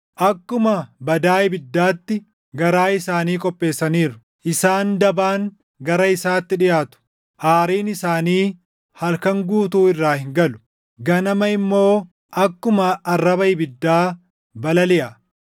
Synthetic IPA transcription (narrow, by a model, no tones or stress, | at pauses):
ʔɐkːʊmɐbɐd̪aːɪbɪd̪ːaːt̪ːɪ | ɡɐɾaːɪsaːniːkʼɔpʼːe̞ːsːɐniːɾʊ̥ | ʔɪsaːnd̪ɐbaːŋ | ɡɐɾɐɪsaːt̪ːɪᶑɪjaːt̪ʊ̥ | ʔaːɾiːnɪsaːniː | hɐlkɐŋɡuːt̪uːɪrːaːhɪŋɡɐlʊ̥ | ɡɐnɐmɐɪmːo̞ː | ʔɐkːʊmɐɐrːɐbɐɪbɪd̪ːaː | bɐlɐlɪʔɐ